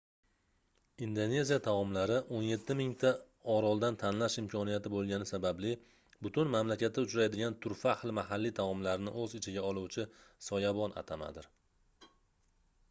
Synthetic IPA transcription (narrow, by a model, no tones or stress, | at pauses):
ind̪one̞zijat̪ʰavɒmlaɾɪʔonje̞t̪ʰːɪmɪŋt̪ʰa | ɒɾɒlˠd̪ant̪ʰanlaʃɪmkʲʰɒnijat̪ɪbolˠɡʲanɪsabablɪ | bʊt̪ʰʊnmamlakʲat̪ʰːaʊt͡ʃɾajd̪ɪɡʲant̪ʰʊɾfahlˠɪmaɦalːit̪ʰavɒmlaɾɪnɪʔɵzɪt͡ʃʰɪɡʲaɒlˠuwt͡ʃʰɪsɒjabɒna̰t̪ʰama̰d̪ɪɾ